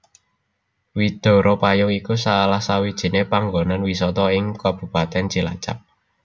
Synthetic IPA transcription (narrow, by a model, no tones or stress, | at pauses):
wid̪̥o̤ɾɔpajʊwikusalahsawid̥ʒ̥i̤nepaŋɡonanwisɔt̪ɔɪŋkab̥ṳpat̪ɛnt͡ʃila̰t͡ʃa̰p̚